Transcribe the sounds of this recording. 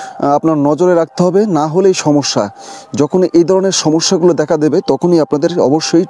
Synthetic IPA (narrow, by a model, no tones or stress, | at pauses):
apnaɾnɔd͡ʑoɾeɾak̚t̪eɦɔbenaɦoleejʃɔmoʃːa̰d͡ʑɔkʰonejd̪ʱɔɾoneɾʃɔmoʃːaɡulod̪ɛkʰad̪ebet̪ɔkʰonijapnad̪eɾɔ̰boʃːoj